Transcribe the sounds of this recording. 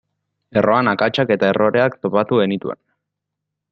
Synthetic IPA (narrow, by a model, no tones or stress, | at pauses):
e̞ro̞anakat͡ʃake̞t̪ae̞rʔo̞ɾe̞akt̪o̞pat̪uɣe̞nit̪uḛn